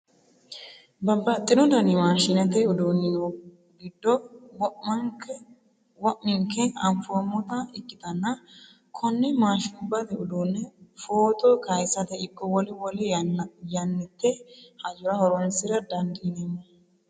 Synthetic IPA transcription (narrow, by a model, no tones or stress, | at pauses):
bɐbːɐt̪ʼːɪnɔd̪ɐnɪmaːʃɪnɛt̪ɛʊd̪onːɪno | ɡɪd̪ːɔw | wɔʔːɪŋkɛɐmfomɔt̪ɐɪkʼːɪt̪ɐnːɐ | kʰɔnːɛmaːʃɪʊbːɐt̪ɛʊd̪unːɛfoːt̪ʼɔkɐjsɐt̪ɛɪkʼːɔwɔlɪwɔlɛjɐnːɪt̪ːɛhɐd͡ʒʊɾɐhɔɾɔnsɪɾɐd̪ɐnd̪ɪːnɛmːɐ